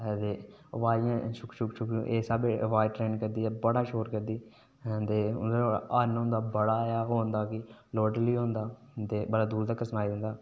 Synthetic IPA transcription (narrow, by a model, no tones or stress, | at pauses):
t̪eː | ʋaːãːʃʊkʃʊkʃʊkuʔeːsabeʋaːjʈɾeːnkəɾd̪iːɛːbəɽaːʃoːɾkəɾd̪iː | t̪eːʊ̰d̪ənɦõnd̪aːbəɽaːjaːɦoːnd̪aːkɪloːʈəliːɦõːnd̪aː | t̪eːbəɽaːd̪uːɾt̪aːkəsnaːiːd̪ɪnd̪aː